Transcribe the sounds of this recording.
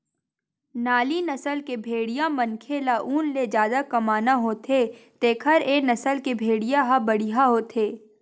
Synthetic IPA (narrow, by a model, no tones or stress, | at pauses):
naːlinɐsəlkebʱeːɽijãmɐnkʰelaʔuːnled͡ʒjaːd̪akɐmaːnaɦoːt̪ʰet̪eːkʰəɾeːnɐsəlkebʱeːɽijãɦabɐɽiɦaɦot̪ʰeː